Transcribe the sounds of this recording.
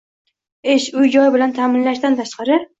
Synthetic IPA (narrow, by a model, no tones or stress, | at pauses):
eʃʊjd͡ʒɒjbɪlant̪ʰaːmɪnlaʃt̪ant̪ʰaʃqɑɾɪ